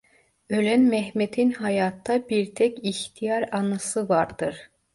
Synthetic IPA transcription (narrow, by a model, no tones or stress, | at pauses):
ø̞lænmɛɦmet̪ʰinɦajaːt̪ʰːabiɾt̪ʰɛciçt̪ʰijaɾanasɯvaɾd̪ɯɾ̥